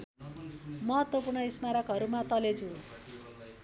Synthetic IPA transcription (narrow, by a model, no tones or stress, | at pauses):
mʌɦʌt̪wʌpurɳʌismaɾʌkɦʌɾumat̪ʌlet͡sʰu